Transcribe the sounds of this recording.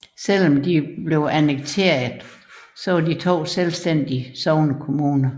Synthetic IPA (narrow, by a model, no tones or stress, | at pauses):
sel̰ɒ̽md̥ib̥le̝ʊʔænəɡ̥̚t͡sʰe̝̰ɐð̩ˠsɒ̽ʋɑ̈dit͡sʰo̝̰ːselsd̥en̰d̥iəsɒʊnəkʰo̝muːnɐ